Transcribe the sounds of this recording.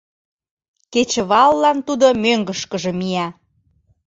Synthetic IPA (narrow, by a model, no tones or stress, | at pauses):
ket͡ɕə̆βɑlːɑnt̪ud̪omøŋɡə̆ʃkə̆ʒĕmiæ